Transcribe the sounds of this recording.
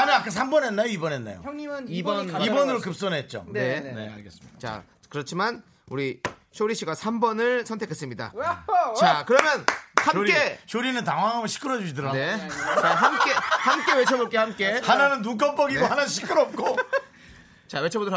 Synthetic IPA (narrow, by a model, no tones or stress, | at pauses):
anɯak͈asʰambʌnɦenːajoibʌnɦenːa̰jo̰ibʌnibʌnɯɾokɯp̚s͈onɦe̞t̚t͡ɕ͈o̰ne̞ne̞̰a̰ɭɡe̞s͈ɯ̥mi̥at͡ɕa̰ | kɯɾʌt͡ɕʰiman | uɾiɕʰoɾiɕ͈ʰiɡasʰambʌnɯɭsʰʌntʰekʰe̞s͈ɯmɲida̰t͡ɕakɯɾʌmjʌnhamɾk͈eɕʰoɾinɯntaŋwaŋɦamʌnɕʰi̥kʰɯɾʌd͡ʑuɕʰidɯɾanet͡ɕaɦamk͈e̞hamk͈e̞we̞t͡ɕʰʌboɭk͈e̞hamk͈e̞hananɯnːuk̬͈ʌmp͈ʌɡiɡohanaɕʰi̥kʰɯɾʌp̚k͈o | t͡ɕawe̞t͡ɕʰʌbodo